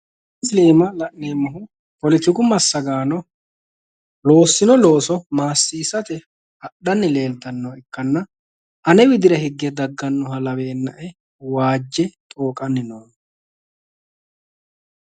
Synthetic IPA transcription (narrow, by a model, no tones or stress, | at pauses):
ɪsle̞ːmɐlɐʔneːmɐɦʊ | pɔlɪt̪ːɪɡʊmɐsːɐɡaːnɔ | lo̞ːsːɪnɔlo̞ːsɔmaːsːiːsɐt̪ɛ | ɐɗɐnːɪle̞ːlt̪ɐnːɐwɪkːɐnːɐ | ʔɐnɛwɪd̪ɪɾɐhɪɡːɛd̪ɐɡːɐnːʊhɐlɐweːnːɐʔɛ | waːd͡ʒːɛt̪ʼoːkʼɐnːɪnoːn